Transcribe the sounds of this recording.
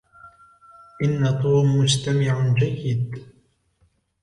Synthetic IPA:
ʔɪnːat̪ˤuːmːʊd͡ʒt̪amɪʕʊd͡ʒajːɪd̪̚

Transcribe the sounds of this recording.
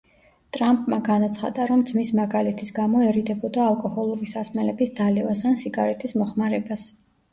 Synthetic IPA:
t̪ʼɾampʼmaɡanat̪sʰχa̰d̪aɾɔmd̪zmismaɡalɛt̪ʰisɡamɔɛɾid̪ɛbɔd̪aːlˠkʼɔhɔlˠuɾisasmɛlɛbisd̪alɛvasansiɡaɾɛt̪ʰismɔχmaɾɛbas

